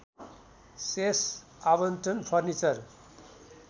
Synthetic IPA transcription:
ses | abʌnt̪ʌnpʰʌrnit͡sʌr

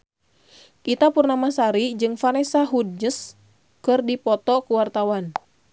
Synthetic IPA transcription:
ʔit̪apurnamasaɾid͡ʒɨŋfanɛsaɦud̚d͡ʒəs | kɨrdipɔt̪ɔkuwart̪awan

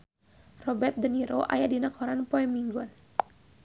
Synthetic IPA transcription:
rɔbɛrt̪̚dəniɾoʔa̰jadinakʰɔɾanpoɛmiŋɡɔn

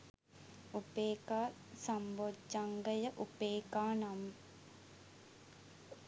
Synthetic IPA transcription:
upeːkaː | sambod͡ʒːaŋɡəjəʔupeːkaːnɐm

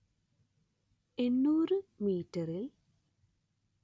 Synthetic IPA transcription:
enːuːrɨmiːtːɐril

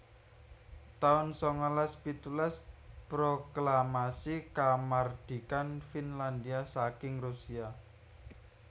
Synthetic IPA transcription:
t̪aʊnsɔŋɔlaspit̪ulaspɾoklamasikamard̪̥i̤kanfinland̪iasakɪŋrusia

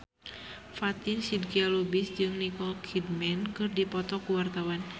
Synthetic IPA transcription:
fat̪insidɡialubisd͡ʒɨŋnikɔlkʰidmɛnkɨrdipɔt̪ɔkuwart̪awan

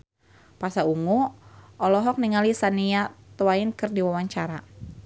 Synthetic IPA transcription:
pasauŋuʔɔlɔɦɔk̚niŋalisaniat̪uaɪnkɨrdiwawaɲt͡ʃaɾa

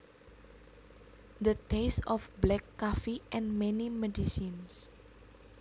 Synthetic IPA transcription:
d̪ət̪esɔfblɛkːafiʔɛ̃nmɛnimɛdisins

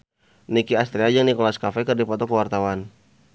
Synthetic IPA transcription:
nikiast̪ɾiad͡ʒaŋnikɔlaskafɛkərdipɔt̪ɔkəwart̪awan

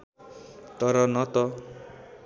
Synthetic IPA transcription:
t̪ʌɾʌnʌt̪ʌ

